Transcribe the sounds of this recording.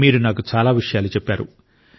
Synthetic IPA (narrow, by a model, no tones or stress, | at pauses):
miːɾunaːkut͡ʃaːlaːʋiʂɐjaːlut͡ʃɛpːaːɾṵ